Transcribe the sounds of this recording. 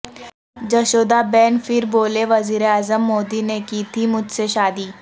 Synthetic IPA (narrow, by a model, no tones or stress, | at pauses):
d͡ʒɐʃoːd̪abɛːnfʰɪɾboːleʋɐziːɾeaːzəmːoːd̪inekiːt̪ʰimʊd͡ʒʱseʃaːd̪iː